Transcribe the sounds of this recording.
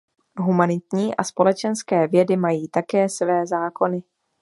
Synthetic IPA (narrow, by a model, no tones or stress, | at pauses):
ɦumanɪt̪ɲiːʔaspo̞lɛt͡ʃɛnskɛːvjɛdɪmajiːt̪akɛːsvɛːzaːko̞nɪ